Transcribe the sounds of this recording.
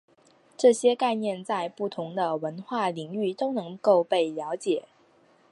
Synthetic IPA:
ʈ͡ʂɤ˥˩ɕjɛ˥ka˥˧ɪnjɛ˥˧nt͡sa˥˧ɪpu˥˩t̪ʰʊ˧˥ŋd̪ə˧wə˧˥nxwa˥˩li˨˩ŋy˥˩t̪o˥ʊnɤ˧˥ŋko˥˧ʊpe˥˩ɪljɑ˧˥ʊt͡ɕjɛ˨˩˦

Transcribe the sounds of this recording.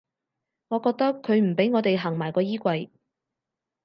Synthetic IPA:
ŋɔː˨˧kɔː˧k̚t̪ɐ˥kʰːɵ˨˧ɥm̩˨˩pe˨˥jŋɔː˨˧t̪e˨jɦaː˨˩ŋmaː˨˩jkɔː˧jiː˥kʷɐ˧j

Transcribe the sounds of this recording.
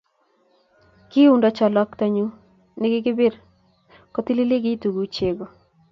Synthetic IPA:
kɪ˦u˦ndɔ˦t͡ʃɔ˨lɔ˦ktɔ˨ɲu˦ | nɪ˦ɡɪ˦ɡɪ˦be˦ɾ | kɔ˦t̪i˦li˦lɪ˦ɡɪ˦tu˨ɡu˨t͡ʃe˨ɡɔ˨

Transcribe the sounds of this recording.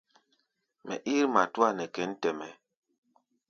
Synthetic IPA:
mɛ̰˨ʔi˦ɾma˨tu˦a˦˨nɛ˨kɛ˨˦n̩˦tɛ˨mɛ˨

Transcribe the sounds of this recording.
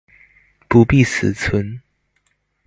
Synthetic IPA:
pu˧˦pi˥˨s̩˨˩t͡sʰwə˧˦n

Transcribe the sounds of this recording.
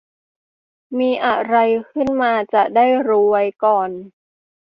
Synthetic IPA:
miː˧ʔa˨˩ɾa˧jkʰɯ˥˩nmaː˧t͡ɕa˨˩ʔdaː˥˩jɾuː˧wa˧jkɔː˨˩n

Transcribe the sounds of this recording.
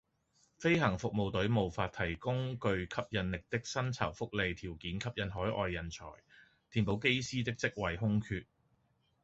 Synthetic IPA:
fe˥jɦɐ˨˩ŋfʊ˨k̚mo˨wt̪ɵ˨˥ɥmo˨wfaː˧t̪ʰɐ˨˩jkʊ˥ŋkɵ˧ɥkʰɐ˥p̚jɐ˨˧nlɪ˨k̚t̪ɪ˥k̚sɐ˥nt͡sʰɐ̰˨˩wfʊ˥k̚le˨˧jt̪ʰiː˨˩wkiː˨˥nkʰɐ˥p̚jɐ˧nɦɔː˨˥jʔɔː˧jːɐ˨nt͡ʃʰɔ̰ː˨˩j | t̪ʰiː˨˩npo˨˧wke˥jsiː˥t̪ɪ˥k̚t͡sɪ˥k̚wɐ˨jɦʊ˥ŋkʰyː˧t̚

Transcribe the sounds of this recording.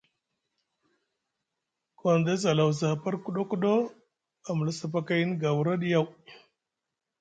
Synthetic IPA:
ko˨nda˦za˨la˨wza˨pa˦ɾku˦ɗo˦ku˦ɗo˦ | a˨m˨la˦sa˦p̬a˦ka˦ji˦n˦ɡa˨wu˨ɾa˦ɗi˦ja˦˨w

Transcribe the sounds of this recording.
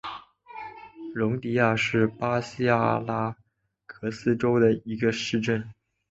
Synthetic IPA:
ɻʊ˧˥ŋt̪i˧˥ja˥˩ʂɻ̩˥˩pa˥ɕi˥a˥˧˩la˥ | kʰɤ˧˥sɹ̩˥ʈ͡ʂo˥ʊd̪ə˨i˧˥ɡə˧ʂɻ̩˥˧ʈ͡ʂə˥˩n

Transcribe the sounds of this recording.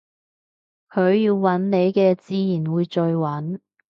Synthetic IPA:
kʰɵ˨˧ɥjiː˧wːɐ˨˥nne˨˧jkɛː˧t͡siː˧jiː˨˩nwuː˨˧jt͡ʃɵ˧ɥwɐ˨˥n

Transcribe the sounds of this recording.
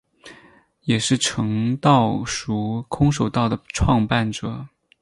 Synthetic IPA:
jɛ˨˩ʂɻ̩˥˩ʈ͡ʂʰɤ˧˥ŋt̪ɑ˥˩ʊʂu˧˥kʰʊ˥ŋʂ̬o˨˩ʊt̪ɑ˥˩ʊd̪ə˩ʈ͡ʂʰwɑ˥˧ŋpa˥˩nʈ͡ʂɤ˨˩˦

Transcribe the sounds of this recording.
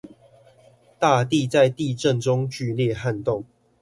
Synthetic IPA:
t̪a˥˧t̪i˥˨t͡sa˥˧ɪt̪i˥˨ʈ͡ʂə˥˨nʈ͡ʂʊ˦ŋt͡ɕy˥˨ljɛ˥˨ha˥˨nt̪o˥˨ŋ

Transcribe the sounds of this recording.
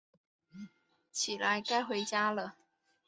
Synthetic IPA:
t͡ɕʰi˨˩la˧˦ɪka˥ɪxwe˧˥ɪt͡ɕja˥lə˨

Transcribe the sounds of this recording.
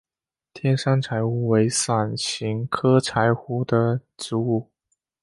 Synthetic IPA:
t̪ʰjɛ˥nʂa˥ŋʈ͡ʂʰa˧˥ɪxu˧˥˩we˧˥ɪsa˨˩nɕi˧˥ŋkʰɤ˥ʈ͡ʂʰa˧˥ɪxu˧˥d̪ə˧ʈ͡ʂɻ̩˧˥u˥˩

